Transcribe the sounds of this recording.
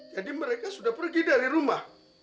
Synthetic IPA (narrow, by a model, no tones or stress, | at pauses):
jadimːaɾakʼasudapuɾɡidaɾiɾuma